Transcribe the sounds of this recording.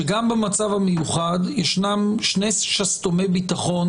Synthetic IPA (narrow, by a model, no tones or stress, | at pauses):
eɡambemat͡savhamejuχad̪jeʃnamʃnesʃast̪omebit̪aχo̞n